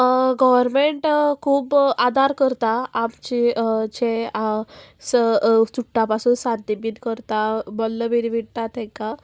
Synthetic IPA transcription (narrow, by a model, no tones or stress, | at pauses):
ɡɔʋəɾmeɳʈkʰuːbad̪ʱaɾkəɾt̪aamt͡ɕid͡ʑe | səsuʈːãpasuːnsant̪ibinkəɾt̪abɔlːəbiɾibiɽt̪at̪ʰɛ̃ka